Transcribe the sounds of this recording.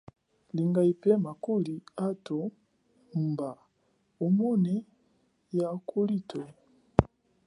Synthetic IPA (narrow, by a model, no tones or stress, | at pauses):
liŋɡaipɛmakoliato | mba | omɔnɛ | jakʰolitʰo